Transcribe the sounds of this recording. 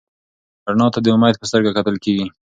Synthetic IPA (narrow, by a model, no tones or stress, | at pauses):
aɾnɑt̪ad̪əmajd̪̚pəst̪əɾɡakat̪əlkeɡi